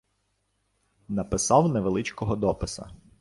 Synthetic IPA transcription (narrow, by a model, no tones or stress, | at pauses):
nɐpɪsɑwnɛʋelˠɪt͡ʃkɔɦɔd̪ɔpɪsɐ̰